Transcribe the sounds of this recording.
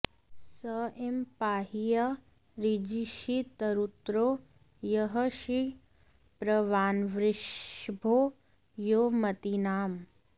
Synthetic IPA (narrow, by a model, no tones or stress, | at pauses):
sɐʔempaːɦijɐ | ɾid͡ʒiʃit̪ɐɾut̪ɾoː | jɐɦɐʃi | pɾɐʋaːnʋɾɪʃbʱoː | joːmɐt̪inaːm